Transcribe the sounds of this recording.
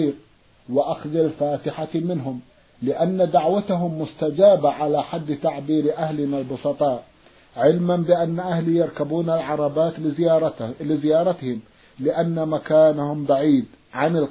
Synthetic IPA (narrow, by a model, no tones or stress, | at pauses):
iːɾ̚ | waʔaxðˤɪlfaːt̪ɪħamɪnɦʊm | lɪʔanːad̪aʕwat̪aɦʊmːʊst̪ad͡ʒaːbaʕalaħad̪ːt̪aʕbiːɾʔahlɪnalbʊsˤɑt̪ˤɑːʔ | ʕɪlmanbɪʔanːaʔahlijɑɾˤkabuːnalʕɑɾˤɑbaːt̪ː | lɪzɪjɑːɾˤɑt̪hɪm | lɪʔanːamakaːnahʊmbaʕiːd̪ | ʕanɪl